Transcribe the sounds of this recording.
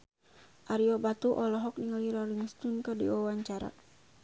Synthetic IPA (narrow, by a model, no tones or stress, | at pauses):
ʔaɾiɔbat̪uʔɔlɔɦɔk̚niŋaliɾɔliŋst̪unkadiwawaɲt͡ʃaɾa̰